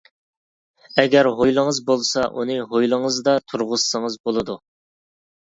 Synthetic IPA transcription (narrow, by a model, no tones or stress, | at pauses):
ɛɡʲɛɾɦojlˠəŋəzbolˠsɑʔunɨɦojlˠɨŋəzd̪ɑt̪ʰuɾʁʊssɨŋəzbolˠɨd̪u